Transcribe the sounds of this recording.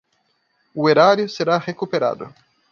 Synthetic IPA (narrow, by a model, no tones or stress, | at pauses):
ueɾaɾjʊseɾaʁekupeɾa̰d̪ʊ̰